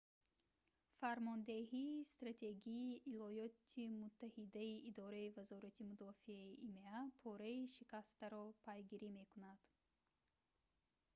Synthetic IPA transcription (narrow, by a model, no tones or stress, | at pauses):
faɾmɔnd̪eɦiːst̪ɾat̪ʰe̞ɡiːʔilɔjɔt̪ʰimut̪ʰːahid̪aiʔid̪ɔɾaivazɔɾat̪ʰimud̪ɔfiaiʔimeapʰɔɾaiʃikast̪aɾɔpʰajɡiɾime̞kunad̪̥